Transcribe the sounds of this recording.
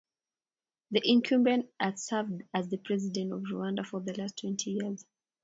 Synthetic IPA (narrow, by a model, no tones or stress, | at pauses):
ðiʔɪ̃nkʰũmbɛ̃nədsavdazðəpʰɹ̥ɛzidɛ̃ntɔvɹṵãndafɔðəlastʰw̥ɛ̃ntʰijiəz̥